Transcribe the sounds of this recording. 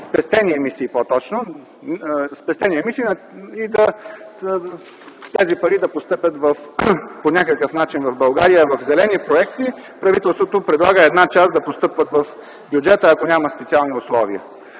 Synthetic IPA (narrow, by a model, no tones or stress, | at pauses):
spɛst̪ɛniɛmisiːpot̪ɔt͡ʃno | spɛst̪ɛniɛmisiːnɐ | id̪ɐ | t̪ɛzipɐɾid̪ɐpost̪ɤpʲət̪vɐfponʲakəkəfnat͡ʃinvɐvbɐlˠɡaɾijəvɐfzɛlɛnipɾoɛkt̪ipɾɐvit̪ɛlˠst̪vot̪opɾɛd̪lˠaɡəɛd̪nat͡ʃasd̪ɐpost̪ɤpvət̪vɐf | bʲjud͡ʒɛt̪əːkonʲaməspɛt̪sialˠniʊslˠɔviə